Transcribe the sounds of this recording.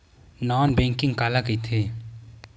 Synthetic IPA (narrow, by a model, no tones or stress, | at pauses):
nɔːnbẽːŋkɪŋɡkaːlakit̪ʰeː